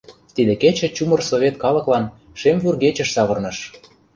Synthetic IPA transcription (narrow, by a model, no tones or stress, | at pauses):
t̪id̪eket͡ɕĕt͡ɕumɤ̆rsovʲet̪̚kɑlɤ̆klɑn | ʃemvurɣet͡ɕə̆ʃsɑβɤ̆rnɤ̆ʃ